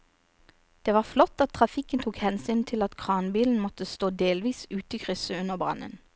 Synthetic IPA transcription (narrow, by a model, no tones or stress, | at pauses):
d̪̥eːʋɑːflɔt̪ːɑt̪̚ʰːʁɑfɪkənt̪ʰuːkhɛnsyːnt̪ʰɪlɑt̪kʰʁɑːnbiːln̩mɔt̪əst̪oːd̪eːlʋiːsʉːt̪ikʰʁʏsəʉnəʁbʁɑ̰nə̰n